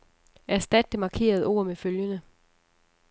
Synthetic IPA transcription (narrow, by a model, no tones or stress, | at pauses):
ʔæɐsd̥æd̥̚ːe̝mɑ̈kʰe̝̰ːɐð̞̩ˠʔo̝̰ːɐ̰meføljənə